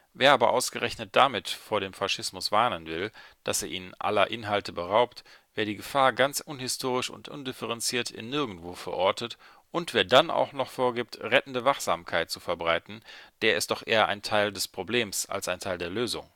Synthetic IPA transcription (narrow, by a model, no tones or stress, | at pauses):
veːɐʔaːbɐ̰ʔaʊsɡ̥əʁɛçnət̚d̥amɪtfoːɐɾeːmfaʃɪsmʊsv̥aɐnənvɪld̥aseːɐʔḭːnnʔa̰lɐʔɪnɦaltəbəʁaʊpt | v̥eːɐdiːɡəfaːɐɡant͡sʔʊnhɪstʰoːʁ̞ɪʃʊ̰ntʔʊ̰ndɪfəʁɛnt͡siːɐtɪ̰nːɪɐɡŋ̩tv̥oːfɛɐʔɔɐtət | ʔʊntv̥eːɐdanʔa̰ʊxnɔχfoːɐɡiːp̚tʁɛtn̩dəvaχz̥aːmkʰaɪt̚t͡sufɛɐbʁaɪtn̩d̥eːɐɪst̚d̥ɔχʔḛːɐʔa̰ɪntʰaɪldɛspʁ̥obleːmsa̰lsaɪntʰaɪldeːɐløːzʊŋ